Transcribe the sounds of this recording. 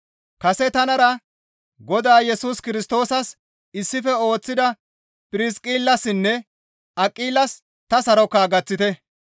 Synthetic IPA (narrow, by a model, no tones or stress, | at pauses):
kɐsɛt̪ɐnɐɾɐ | ɡɔd̪aːjɛsuːskɪɾɪs̬t̪o̞ːsɐs | ɪsːɪfɛo̞ːt͡sːɪd̪ɐ | pʼɪɾɪskʼiːlːɐsɪnːɛ | ɐkʼːiːlːɐs | t̪ɐsɐɾɔkːaːɡɐt͡sːɪt̪ɛ